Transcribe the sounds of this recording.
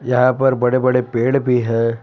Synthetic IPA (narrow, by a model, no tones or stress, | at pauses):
jɐɦãpɐɾbɐɽebɐɽepeːɽbʱiɦɛː